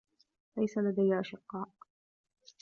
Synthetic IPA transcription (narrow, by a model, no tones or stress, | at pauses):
lajsalad̪ajːʔaʃɪqːɑːʔ